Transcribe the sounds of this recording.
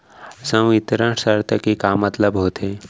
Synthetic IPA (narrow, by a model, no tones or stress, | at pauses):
sə̃ʋit̪ɾə̃ʈsəɾt̪əkikamːət̪ləbɦoːt̪ʰe